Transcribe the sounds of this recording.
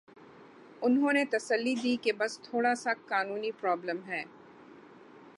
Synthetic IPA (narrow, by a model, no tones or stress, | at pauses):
ʊnɦõnet̪ɐsəlːid̪iːkebɐst̪ʰoːɽasakaːnuːnipɾɔːbləmɦɛː